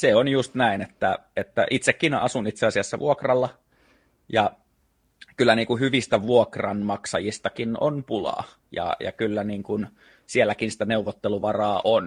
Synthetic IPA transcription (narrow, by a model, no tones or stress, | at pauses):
seonjust̪næinet̪ːæet̪ːæ̰ʔit̪sekːinɑsunit̪seɑsiɑsːɑʋʔuokrɑlːɑ | jɑ | kylːæniːŋkuhyʋist̪æʋuokrɑnmɑksɑjist̪ɑkino̰npulɑ̰ː | jɑ̰jɑ̰kylːæniːŋkun | sielːækinsĭ̥t̪æneuʋot̪ːeluʋɑrɑːʔon